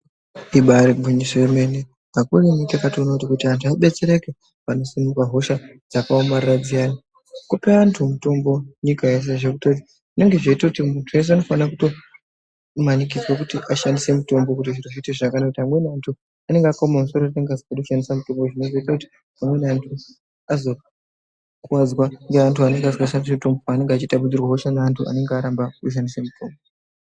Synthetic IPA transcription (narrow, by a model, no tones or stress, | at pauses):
iɓaɾiɡʱuɲiseemene | makurenikakatonotikutiantʰuaɓe̞t͡se̞ɾe̞ke | pano̞sinukaɦo̞ʃad͡zakaomarrad͡zijana | kopeantʰumuto̞mbo̞ɲikajes̬eʐekutoti | ʐine̞ŋɡe̞ʐe̞itakutimuntʰuje̞s̬eano̞fanakuto̞ | manikid͡zwakutiʔaʃandise̞muto̞mbo̞kut̬iʐinoʐiiteʐakanakutiɦamwe̞nantʰu | ane̞ŋɡeakomamuso̞ɾone̞ŋɡeazikaɗoʃandisamuto̞mbo̞ʐino̞zo̞itakuti̥ | amwe̞nantʰu | azo̞ | kuwad͡zwaŋɡeantʰuane̞ŋɡeazkaʃandis̬emuto̞mbopane̞ŋɡeat͡ʃitaɓud͡zirwaɦoʃanaantʰua̰ne̞ŋɡeaɾambakuʃ̬andise̞mutʰo̞ːmbo